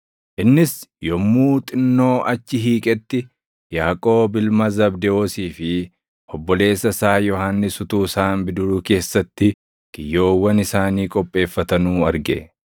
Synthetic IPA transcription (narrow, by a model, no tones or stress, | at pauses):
ʔɪnːɪsjɔmːuːt̪ʼɪnːo̞ːʔɐt͡ʃːɪɦiːkʼɛt̪ːɪ | jaːkʼo̞ːbɪlmɐzɐbd̪ɛoːsiːfɪ | ɔbːɔle̞ːsːɐsaːjɔhaːnːɪsʊt̪uːsaːmbɪd̪ʊɾuːke̞ːsːɐt̪ːɪ | ɡ̥ɪjːo̞ːwːɐnɪsaːniːkʼɔpʼːe̞ːfːɐt̪ɐnuːɐɾɡɛ̰